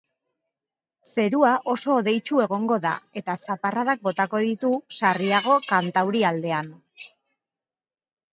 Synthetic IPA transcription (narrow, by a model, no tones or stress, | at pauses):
se̞ɾuaʔo̞so̞ːðe̞jt͡ʃue̞ɣ̞o̞ŋɡo̞ða̰e̞t̪asaparað̞ak̚bo̞t̪ako̞ðit̪usariaɣ̞o̞kant̪awɾiald̪e̞an